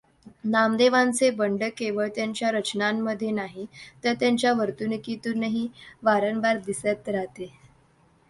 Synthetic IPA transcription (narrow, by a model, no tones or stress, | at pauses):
namd̪eʋãnt͡sebəɳɖəkeʋəɭt̪jaɲt͡ɕjaɾət͡ɕnamːəd̪ʱːjenaɦit̪əɾt̪jaɲt͡ɕjaʋəɾt̪unikit̪unəɦiʋaɾənʋaɾd̪isət̪ɾaɦt̪e